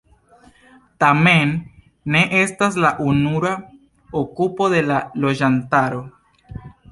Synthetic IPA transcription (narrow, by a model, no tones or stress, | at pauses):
tame̞nː | e̞ʔe̞staslaʔunuɾa | okupo̞de̞lalo̞d͡ʒantaɾo̞